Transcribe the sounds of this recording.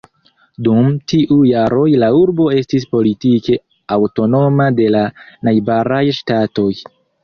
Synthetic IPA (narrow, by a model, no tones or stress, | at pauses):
dumtiʔujaɾo̞jlauɾbo̞e̞stis̬po̞litike̞ | awto̞no̞made̞lanajbaɾajʃtato̞j